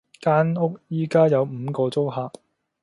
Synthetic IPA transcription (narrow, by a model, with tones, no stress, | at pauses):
kaː˥nʊ˥k̚jiː˥kaː˥jɐ˨˧wm̩ː˨˧kɔː˧t͡so˥wɦaː˨˧k̚